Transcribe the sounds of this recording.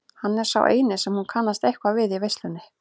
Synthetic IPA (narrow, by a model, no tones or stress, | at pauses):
hanːɛɾ̥sa̰wʔḛːjnɪsɛmhunkʰanːast̪ejhkvavɪðivejst̪lʏnːɪ